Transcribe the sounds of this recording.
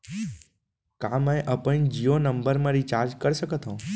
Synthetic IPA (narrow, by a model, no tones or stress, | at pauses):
kãmə̃ẽʔəpəɳ̃d͡ʒionəmbəɾmãɾit͡ʃaɾd͡ʒkəɾʃəkət̪õ